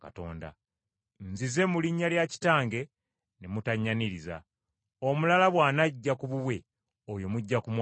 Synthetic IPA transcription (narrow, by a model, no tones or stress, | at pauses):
ka̰to̞̰ːnda̰ | nzize̞muliɲːaljaci̥taːŋɡe̞ | nemutaɲːaniɾiza̰ | omulalaβwaːnaɟːakuβuβwe̞ | ojo̞muɟːakumw